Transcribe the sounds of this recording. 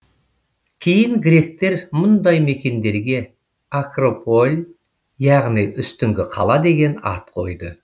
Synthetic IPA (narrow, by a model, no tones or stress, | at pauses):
kʲʰe̞jɪŋɡɾʲe̞k̚t̪e̞ɾmʊnd̪ɑjme̞kʲe̞nd̪e̞ɾɡʲe̞ | akropo̞lʲ | jɑʁnijʔʏst̪ʏŋɡʲɪqʰɑ̰lˠɑd̪e̞ɡʲe̞nɑ̰t̪qʰo̞jd̪ə